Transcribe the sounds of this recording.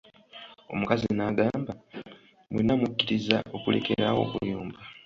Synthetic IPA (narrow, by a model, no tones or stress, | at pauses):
o̞̰mukazinaɡaːmba | mwinːamukːiɾiza̰ʔo̞kule̞̰kʰeɾawo̞̰ːkujuːmba